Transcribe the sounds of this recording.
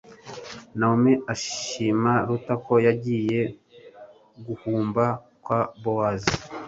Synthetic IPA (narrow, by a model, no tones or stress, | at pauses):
naomeaʃiːmaɾutako̞jaɟiːje̞ | ɡuhuːmba | kwabowazi